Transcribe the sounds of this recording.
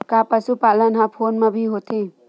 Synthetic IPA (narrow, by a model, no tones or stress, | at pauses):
kapəsupaːlənɦãpʰoːnmãbʱiɦot̪ẽ